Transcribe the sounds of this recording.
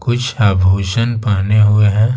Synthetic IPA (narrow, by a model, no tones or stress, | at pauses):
kʊt͡ʃʰaːbʱoːʃənpaːneɦʊeɦɛ̃ː